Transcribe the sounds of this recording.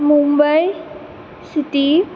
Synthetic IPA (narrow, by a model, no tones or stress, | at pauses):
mumbaj | sit̪i